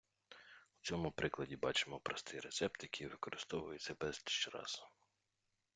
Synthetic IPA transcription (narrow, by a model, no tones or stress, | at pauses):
ʊ̥t͡sʲɔmʊpɾɪklˠɐdʲibɑt͡ʃɪmɔpɾɔst̪ɪjɾet̪sɛp̚t̪jɐkʰʲijʋɪkɔɾʔɪst̪ɔʋʊjʊtʲsʲɐbɛzʲʃt͡ʃɾɑ̰sʊ̥